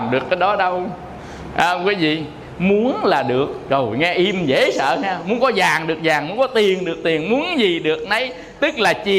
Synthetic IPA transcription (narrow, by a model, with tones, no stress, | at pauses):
mɗɨ˨˩əkːaː˨˦jɗɔ˨˦ɗə˧w | ʔaː˧kwi˨˦zḭ˧˨ | mu˨˦ənlaː˨˩ɗɨ˨˩ək̚zə˨˩jŋɛ˧ʔi˧mzḛ˧˥˦sə̰ː˧˨ŋɛː˧mu˨˦ənkɔ˨˦zaː˨˩ŋɗɨ˨˩ək̚zaː˨˩ŋmu˨˦ənkɔ˨˦t̪i˨˩ənɗɨ˨˩ək̚t̪i˨˩ənmu˨˦ənzi˨˩ɗɨ˨˩ək̚nə˨˦j | t̪ɨ˦˥k̚laː˨˩t͡ɕi˨˩